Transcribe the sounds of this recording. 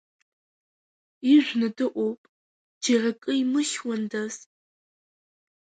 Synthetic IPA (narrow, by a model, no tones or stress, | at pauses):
iʒʷnɨdɨʔʷɔpʼ | d͡ʒerɐkʼɨimɨʃwɔndɐz